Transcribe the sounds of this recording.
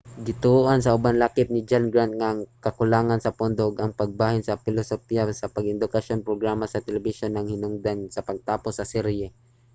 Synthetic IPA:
ɡɪt̪ʊuʔansɐʔʊbanlakɪp̚nɪd͡ʒanɡɹant̪̚ŋaŋkɐkʊlaːŋansɐpʊnd̪oɡʔɐŋpɐɡ̚baːhɪnsɐpɪlosopiasɐpɐɡɪnd̪ʊkaʃonpɾoɡɾaːmasɐt̪ɛlɛbɪʃonːɐŋhɪnʊŋd̪ansɐpɐɡ̚t̪aːposɐsɛɾɛ

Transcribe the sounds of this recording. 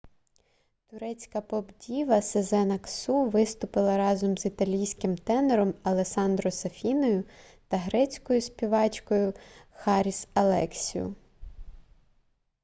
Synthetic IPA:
t̪ʊɾɛt͡sʲkɐpɔbdʲiʋɐsezɛnɐksuʋɪst̪ʊpɪlˠɐɾɑzɔmzit̪ɐlʲijsʲkɪmt̪ɛneɾɔmɐlˠesɑnd̪ɾɔsɐfʲinɔjʊ | t̪ɐɦɾɛt͡sʲkɔjʊsʲpʲiʋɑt͡ʃkɔjʊxɑɾʲisɐlˠɛ̰ksʲḭjʊ̰

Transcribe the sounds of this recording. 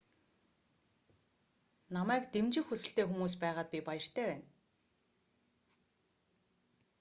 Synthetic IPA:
namæːkt̪emt͡ɕɪ̆xusɘ̆ɬt̪eːxumuːs̬pæːʁaːt̪̚pʲipajə̆r̥t̪ʰæːwæːn

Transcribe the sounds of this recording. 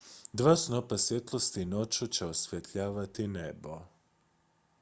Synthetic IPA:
d̪ʋaːsno̞pasʋjet̪lˠost̪ino̞t͡ɕut͡ɕeosʋjet̪ʎaːʋat̪inebo̞

